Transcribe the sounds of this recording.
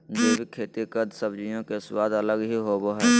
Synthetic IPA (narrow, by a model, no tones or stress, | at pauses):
d͡ʒeːbʱikʰeːt̪ikəd̪səbd͡ʒijõkeswaːd̪ələɡɦiɦoboɦɛː